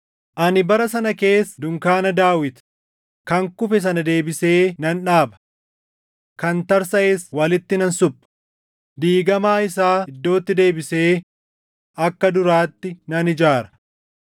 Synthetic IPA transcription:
ʔɐnɪbɐɾɐsɐnɐke̞ːsd̪ʊŋkaːnɐd̪aːwɪt̪ | kɐŋkʊfɛs̬ɐnɐd̪e̞ːbɪse̞ːnɐnᶑaːbɐ̥ | kɐnt̪ɐɾsɐʔeswɐlɪt̪ːɪnɐnsʊbːɐ̥ | d̪iːɡɐmaːɪsaːɪd̪ːo̞ːt̪ːɪd̪e̞ːbɪse̞ː | ɐkːɐd̪ʊɾaːt̪ːɪnɐnɪd͡ʒaːɾɐ̥

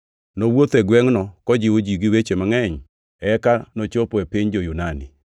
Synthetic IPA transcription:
nowot̪ɛɡwɛŋnɔkɔd͡ʒɪwod͡ʒiɡɪwet͡ʃemaŋɛɲ | ɛkanot͡ʃopɔɛpɪɲd͡ʒojunani

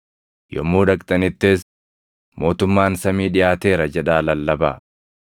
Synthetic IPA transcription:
jɔ̰mːuːᶑɐkʼt̪ʼɐnɪt̪ːeːs | mo̞ːt̪ʊmːaːnsɐmiːᶑɪjaːt̪e̞ːɾɐd͡ʒɛᶑaːlɐlːɐba̰ː

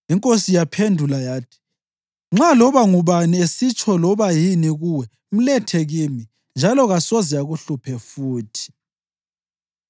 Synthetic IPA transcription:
iŋkʼosijapʰendʱulajaːtʰi̥ | ŋ͡ǁalɔβaŋuβaniesit͡ʃʰʼɔlɔβajiniɣuwɛ | m̩lɛtʰeɣimi | nd͡ʒʱalɔɣasɔzɛaɣuɬupʰɛfuːtʰi̥

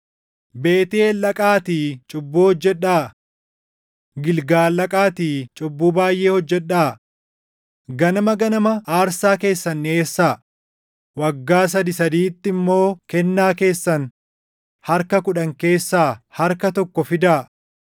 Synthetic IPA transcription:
be̞ːt̪eːlɐkʼaːt̪iːt͡ʃʼʊbːuːhɔd͡ʒːɛᶑːaː | ɡɪlɡaːlɐkʼaːt̪iːt͡ʃʼʊbːuːbaːjʔe̞ːhɔd͡ʒːɛᶑːaː | ɡɐnɐmɐɡɐnɐmɐaːɾsaːke̞ːsːɐnːeːsːaː | wɐɡːaːs̬ɐd̪ɪsɐd̪iːt̪ːɪɪmːo̞ːkɛnːaːke̞ːsːɐn | hɐɾkɐkʊᶑɐŋke̞ːsːaːhɐɾkɐt̪ɔkːɔfɪd̪aː

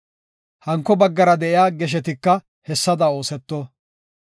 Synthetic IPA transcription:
hɐŋkːɔbɐɡːɐɾɐd̪ɛʔɪjaːɡɛʃ̬ɛt̪ɪkːɐ | hɛsːɐd̪ɐo̞ːsɛt̪ːɔ

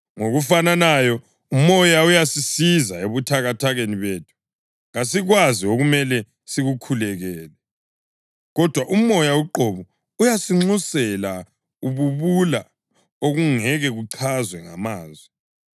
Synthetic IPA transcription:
ŋoɣufananajɔ | umɔjaujasisizaeβutʰaɣatʰaɣeniβeːtʰu̥ | ɣasiɣwazioɣumɛlɛ | siɣukʰulɛɣɛːlɛ | ɣɔd̥ʱwaʔumɔjawuǃɔβɔ | ujasiŋ͡ǀusɛla | uβuβula | oɣuŋɛɣɛɣuǀʰazwɛŋa̰maːzwɛ

